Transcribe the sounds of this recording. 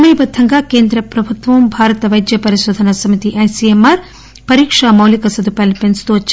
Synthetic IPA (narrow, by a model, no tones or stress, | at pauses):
mɐjbɐd̪ʱɐŋɡaːkeːnd̪ɾɐpɾɐbʱut̪ʋɐmbʱaːɾɐt̪ɐʋɐjd̪jɐpɐɾiʃoːd̪ʱɐnɐsɐmit̪iʔɐjsiemɐɾ | pɐɾiːkʂamɐwlikɐsɐd̪ʱupɐːlpenst̪uɐt͡ʃː